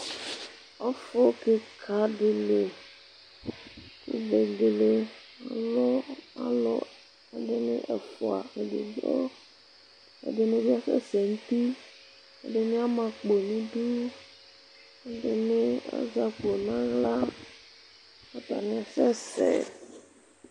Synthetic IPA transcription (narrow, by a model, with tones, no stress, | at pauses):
a˦fo˦ke˦kʰa˦ɖe˨le˨ | kṵ˦ve˨ɡe˨le˦ | a˨lɔ˦a̰˦lɔ̰˦ | a˨ɖe˦nḛ̃˦ʔe˨fo˨a̰˨e˨dḛ˨d͡ʒɔ˦ | ḛ˨ɖe˨nẽ˦vi˦a˦sɛ̰˦se˨ŋ̩˦t̪i˦ | ḛ˨ɖe˨mĩ˦a˦mã˨k͡po˨nĩ˦ɖu˦ | e˦ɖe˨nẽ˦a̰˦za˨k͡po˨nã˦ɣla˦ | a˦t̪a̰˨mĩ˦a˨sɛ˦sḛ˨